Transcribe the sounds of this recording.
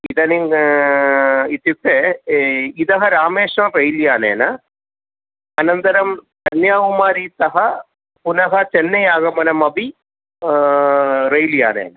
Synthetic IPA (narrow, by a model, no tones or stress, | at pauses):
id̪ɐniŋ | it̪jukːe | id̪ɐɦɐɾaːmeːʂnɐɾɐjljaːnḛːnɐ | ɐnɐnt̪ɐɾɐmt̪ɐnjaːʋumaːɾit̪ɐɦɐ | punɐɦɐt͡ʃɛnːɐjaːɡɐmɐnɐmɐbi | ɾɐjlja̰ːnḛːnɐ